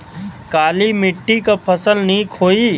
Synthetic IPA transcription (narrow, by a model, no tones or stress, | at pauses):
kaːlimɪʈːikapʰəsəlniiːkʰoːi